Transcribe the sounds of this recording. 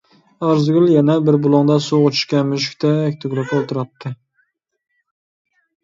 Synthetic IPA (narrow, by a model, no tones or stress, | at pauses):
æɾzɡʲʊlˠjɛnɛbɪɾbʊlˠɑŋd̪ɑsuot͡ʃʰɪ̥ʃkʲamyʃ̬ɪ̥kʲt̪ʰɛːkʲt̪ʰɪɡʲlˠɪkolˠt̪ɨɾɑt̪ːɪ